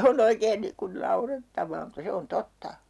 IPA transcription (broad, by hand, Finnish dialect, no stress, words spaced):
on oikeːn niːŋ kun nɑuretːɑʋˑɑː mutːɑ se on totːɑ